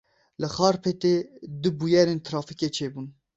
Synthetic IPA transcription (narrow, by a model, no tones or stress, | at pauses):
lɨxɑːɾpʰɛt̪eːd̪ɨbujɛɾeːnt̪ʰɾɑːfiket͡ʃʰeːbuːn